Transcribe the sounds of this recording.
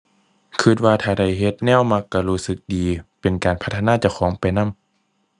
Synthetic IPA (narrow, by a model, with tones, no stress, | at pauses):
kʰɯ˧˩t̪̚waː˧t̪ʰaː˧˩da˧˩jɦe˧˦t̪̚nɛː˧˥˨wma˧˥kːa˧˩luː˧˩sɯ˧˦k̚diː˨pe˨nkaː˨˩npʰa˦˥t̪ʰːa˧naː˧˥˨t͡ɕa˧˩wxʰɔː˩˦ŋpa˨˩jna˧˥˨m